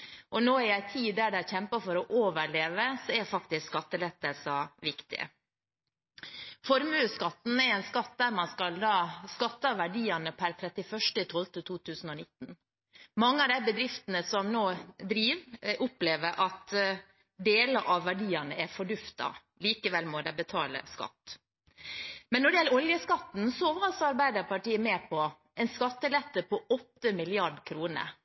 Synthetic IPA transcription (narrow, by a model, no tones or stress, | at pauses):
ʔɔnoːɛɾæɪt̪ʰiːd̪æɖæɪçɛmpəfɔɾɔʔoːʋəɭeːʋəsɔɛɾfɑk̚t̪ɪskskɑt̪ːəlɛt̪ːəlsɑʋɪkt̪ɪ̰ə̰ | fɔɾmʉːskɑt̪ːn̩ɛɾɛnskɑt̪̚d̪æːɾmɑnskɑld̪ɑːskɑt̪ːəɑʋæɖiːɑnəpʰæɾt̪ʰɾɛt̪ɪfœʂʈət̪ʰɔlt̪ət̪ʰuːt̪ʰʉːsn̩ɔnɪt̪ːn̩ | mɑŋːəɑʋd̪æɪbəd̪ɾɪft̪ənəsɔmnoːd̪ɾiːʋʔʊpleːʋəɾʔɑt̪ | d̪eːləɾʔɑʋʋæɖiːənəæɾfɔɖʉft̪ɑ̰ | liːkəʋɛlmɔd̪æɪbət̪ʰɑ̰ːlə̰skɑ̰t̪ː | mɛnːɔɖɛjɛlːəɾɔljəskɑt̪n̩sɔoːʋəɾɑsɑɾbæɪd̪əɾpɑʈiːəmeːpʰɔ | ɛɪnskɑt̪ːəlɛt̪ːəpʰɔɔt̪ːəmɪlɪɑɖkʰɾuːnə̰ɾ